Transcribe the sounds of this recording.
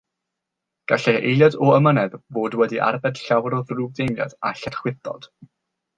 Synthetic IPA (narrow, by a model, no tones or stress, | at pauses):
ɡ̥aɬɛʔejlˠjadɔəmənɛðvoːdwɛdiʔa̰rvɛd̥ɬawɾɔðruːb̚dejnja̰daɬɛrχwɪθɔ̰d̥